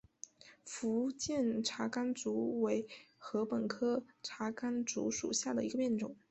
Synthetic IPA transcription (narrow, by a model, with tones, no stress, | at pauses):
fu˧˥t͡ɕjɛ˥˩nʈ͡ʂʰa˧˥ka˥nt͡su˧˥we˧˥ɪxɤ˧˥pə˨˩nkʰɤ˥ʈ͡ʂʰa˧˥ka˥nt͡sṵ˧˥ʂṵ˨˩ɕja˥˩d̪ə˩i˧˥ɡə˧pjɛ˥˩nʈ͡ʂʊ̰˨˩˦ŋ